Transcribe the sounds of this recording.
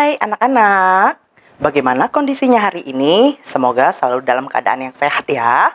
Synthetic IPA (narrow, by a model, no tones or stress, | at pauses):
ajanakanak̚ | baɡajmanakondisiɲaɦaɾiʔinisəmoɡasəlaludalamkəa̰da̰ʔanjaŋsehat̪̚ja